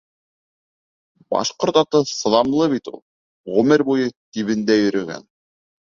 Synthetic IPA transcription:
bɑ̰ʃqoɾt̪ɑt̪ɤsɤ̆ðɑmlˠɤβit̪ṵlˠ | ʁɵmɘɾbujɤt̪iβɘ̆nd̪æjɵ̆ɾɘ̆ɡæ̰n

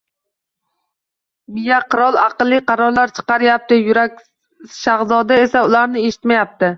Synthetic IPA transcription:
mɪjaqʰɨɾɒlˠɑqɨlˠːɪqʰɑɾɒɾlaɾt͡ʃʰɨ̥qɑɾɪjap̚t̪ɪjʊɾak̚ʲ | ʃaʁzɒd̪aesaʊlˠaɾnɪeʃɪ̥t̪majap̚t̪ɪ

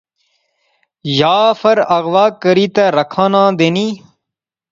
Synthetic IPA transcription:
jaːfɐɾɐɣʋaːkəɾiːt̪ɐɾɐkʰãːnãːd̪eːniː

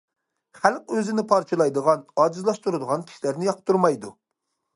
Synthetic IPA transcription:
χælˠqøzɪnɪpʰɑɾt͡ʃʰɨlˠɑjd̪əʁɑnɑːd͡ʒizlˠɑʃt̪uɾɨd̪əʁɑnkʲʰi̥ʃilæɾnɪjɑqt̪ʰːuɾmɑjd̪u

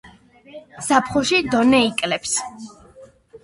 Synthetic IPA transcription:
sapʰχuʃid̪ɔnɛikʼlɛps

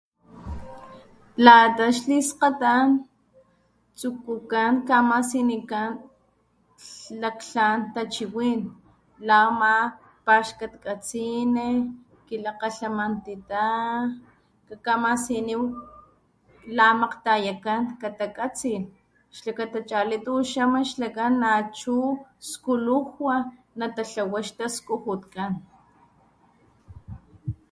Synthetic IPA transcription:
lat̪aʃlisqat̪an | t͡sukukaŋkamasinikan | lakɬant̪at͡ʃiwiːn | lama | paʃkat̪kat͡sine | kilaqaɬamant̪it̪a | kakamasiniw | lamaqt̪ajakankat̪akʼat͡sil | ʃlakat̪at͡ʃʼalit̪uʃamaʃlakanːat͡ʃuskuluhwa | nat̪aɬawaʃt̪askuhut̪kan

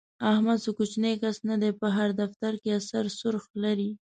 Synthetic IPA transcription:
ahmad̪sokut͡ʃnekasnad̪epəɦaɾd̪aft̪aɾkeasaɾsʊɾxlaɾi

